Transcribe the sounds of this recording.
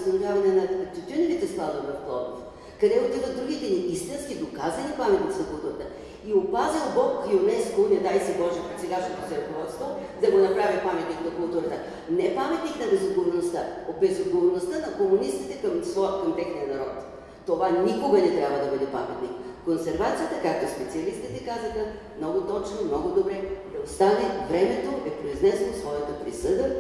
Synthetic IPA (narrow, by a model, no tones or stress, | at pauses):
st̪ɐnovʲavɐnɛnɐt̪ut̪ʲynovit̪ɛst̪ˠad̪obɾɐft̪ˠɔ̰vno̰st̪ | kɐd̪ɛot̪ivɐd̪ɾuɡ̟it̪ɛniʔist̪inskid̪okazvɐnipamɛt̪nʲit̪sinɐkʊlˠt̪uɾɐt̪ə | iopazilˠbɔkionɛskonɛd̪ajsɛbɔʒɛpɛsɛɡaʃɛt̪osɛɾɐkovɔt̪st̪vɐlˠ | d̪ɐɡonɐpɾavipamɛt̪niknɐkʊlˠt̪uɾɐt̪ə | nɛpamɛt̪niknɐbɛzodɡovoɾnost̪aobɛzod̪ɡovoɾnost̪ənɐkomunist̪it̪ɛkəmsvɔjəkomt̪ɛxniənɐɾɔt̪ː | ovanikoɡɐnɛt̪ɾʲabvɐd̪ɐbɤd̪ɛpa̰mɛt̪nikkonsɛɾvat̪sijət̪əkak̚t̪ospɛt̪siɐlist̪it̪ɛkazəxɐ | mnɔɡʊt̪ɔt͡ʃnomnɔɡʊd̪obɾɛd̪ɐost̪anɛvɾɛmɛt̪oʔɛpɾoiznɛslˠosvɔjət̪əpɾisɤd̪ə